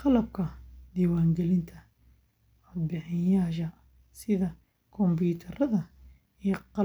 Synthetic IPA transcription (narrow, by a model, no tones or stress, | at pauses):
qɑlɐb̚kʰɐd̪iːwaːŋɡɛlɪnt̪ʰɐ | ɔd̪̚bɪħɪjaːʃ̬ɐ | sɪðɐ | kʰɔmbuːt̪ʰɐɾɐðɐ | iqɑ